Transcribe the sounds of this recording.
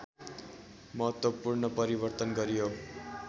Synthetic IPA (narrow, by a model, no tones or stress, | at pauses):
mʌɦʌt̪wʌpurnʌpʌɾibʌrt̪ʌnɡʌɾijo